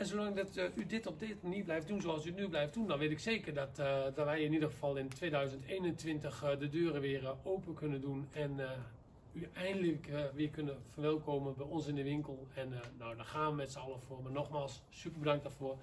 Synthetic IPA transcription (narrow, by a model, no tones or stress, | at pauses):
ɛnsolaŋdɔtydɪtɔb̚deməniəblɛjft̚dunzoɑlˠsyətnyblɛjft̚dundɔnʋetɪkseːkərdɔtdɔʋɛjɪnidəxəfɑlˠɪntʋeːdœɥzəntʰeːnəntʋɪntəxdədøːrəʋɪəroːpənkʰønəndunɛn | yɛjndələkʋɪːkønəfərʋɛlˠkoːmənbɛjɔnsɪndəʋɪŋkəlˠɛnːawdɔxaːnʋəmɛtsəɔlˠəfoəmanɔxmaːlˠsːypərbədaŋk̚darfoə